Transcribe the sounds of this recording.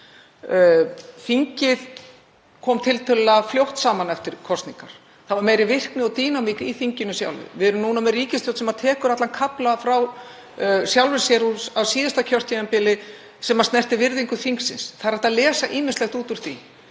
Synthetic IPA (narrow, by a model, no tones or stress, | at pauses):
fiɲcɪð̥ | kʰɔːmt̪ʰɪlt̪ʰɪlaðfljowht̪saːmanɛft̪ɪɾ̥kʰɔst̪niŋkaɾ̥ | θavaɾmejɾɪvɪr̥knɪɔt̪iːnamikiθiɲcɪnʏsja̰wlvɪ̰vɪðɛɾʏmnuːnamɛriːcɪst̪owt̪sɛmaðt̪ʰɛːkʏɾat̪lankʰaplafɾaw | sjawlvɪ̥sjɛɾusawsiːðast̪acʰœr̥t̪ʰɛɛmpɪlɪ | sɛmast̪nɛr̥t̪ɪvɪɾðiŋkʏθiŋksɪnsθaðɾɛht̪aðlɛːsaʔiːmɪnst̪lɛxt̪uːt̪ʏɾ̥θḭ